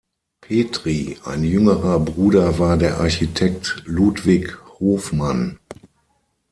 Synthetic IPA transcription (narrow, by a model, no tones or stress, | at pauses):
pʰeːtʁ̥iʔa̰ɪnjʏŋəʁɐbʁuːdɐvaːɐdeːɐʔaɐçitʰɛk̚tluːtv̥ɪkhoːfman